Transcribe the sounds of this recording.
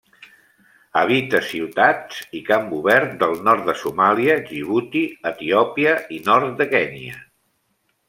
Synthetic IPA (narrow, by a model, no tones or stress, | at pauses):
əβ̞it̪əsiwt̪at͡sikambuβɛɾt̪̚d̪əlˠnɔrt̪̚d̪əsumaliəʒiβ̞ut̪iət̪iɔpiəinɔɾt̪̚d̪əkɛniə